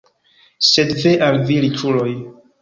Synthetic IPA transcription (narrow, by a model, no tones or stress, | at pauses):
sedveʔalvilitʰuloj